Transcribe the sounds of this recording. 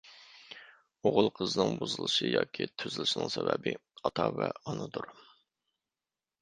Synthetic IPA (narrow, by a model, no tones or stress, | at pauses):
oʁʊlˠqʰəzɨnɨŋbuzɨlˠɨʃɨjɑːkʲʰit̪ʰøzɪlˠɪʃinɪŋsɛbɛbɪɑt̪ʰɑvɛɑnɨd̪uɾ